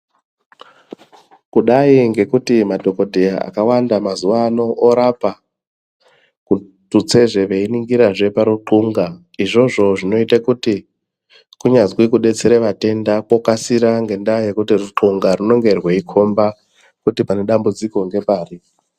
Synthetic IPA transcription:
kuɗaiŋɡe̞kutimadʱo̞ko̞dʱejaa̰kawandamazuʋano̞ʔːɾapa | ku | tut͡se̞ʐe̞ʋe̞iniŋɡiɾaʐe̞paɾuǃuŋɡa | iʐo̞ʐo̞ʐino̞itakuti | kuɲazwikuɗe̞t͡se̞ɾeʋate̞ndakwokasiɾaŋɡe̞ndajekutiruǃuŋɡaruno̞ŋɡe̞rweikʰo̞mba | kutipane̞ɗambud͡ziko̞ŋɡe̞paːri

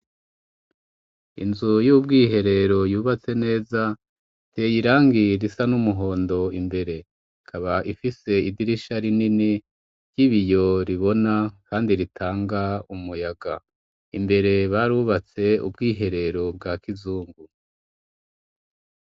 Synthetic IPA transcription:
ḭnzujubɡiːɦe̞ɾe̞ɾo̞juːβat͡se̞ne̞ːza | tʰeːjiɾaːŋɡiɾisanumuɦo̞ːndo̞imbe̞ɾe̞ | ikʰaβaʔifise̞idiɾiʃaɾinini | ɾjiβijo̞ɾiβo̞nakaːndiɾitʰaːŋɡaumujaɡa | imbe̞ɾe̞βaɾuβat͡se̞ṵb̚ɡiːɦe̞ɾe̞ɾo̞b̚ɡakizuːŋɡu

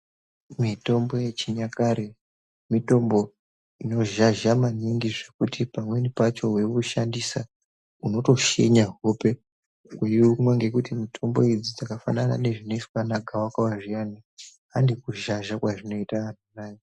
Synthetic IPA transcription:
mito̞mbo̞je̞t͡ʃiɲakaɾe | mito̞mbo̞ | ino̞ʒaʒamaniŋɡiʐe̞kutʰipamwe̞nipat͡ʃo̞we̞kuʃandisa | uno̞to̞ʃḛɲaɦope̞ | kweiumwaŋɡe̞kutimitʰo̞mbo̞id͡zid͡zakafanana̰ne̞ʐino̞itwanaɡʱawakawaʐijani | andikuʒaʒakwaʐino̞itaan̤unaːji

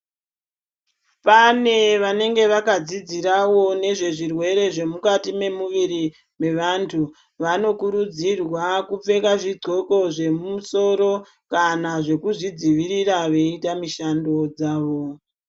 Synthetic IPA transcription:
pane̞ʋane̞ŋɡe̞ʋakad͡zid͡ziɾawo̞ne̞ʐe̞ʐirwe̞ɾe̞ʐe̞mukatime̞muʋiɾi | me̞ʋantʰu | ʋano̞kuɾud͡zirwakup͡fe̞kaʐiɡ͡ǀo̞ko̞ʐe̞mmuso̞ɾo̞ | kanaʐe̞kuʐid͡ziʋiɾiraʋe̞itamiʃando̞d͡zaːʋo̞

